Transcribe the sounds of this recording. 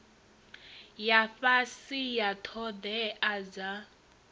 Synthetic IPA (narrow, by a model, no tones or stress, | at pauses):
jafasijatʰɔd̪ɛʔaza